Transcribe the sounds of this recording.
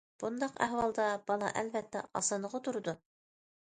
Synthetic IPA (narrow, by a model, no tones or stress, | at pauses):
b̥und̪ɑqæ̰ɦwɑlˠd̪ɑb̥ɑlˠɑ̰ʔɛlvɛt̪ːɛ̰ɑ̰sɑnəʁot̪ʰuɾɨd̪u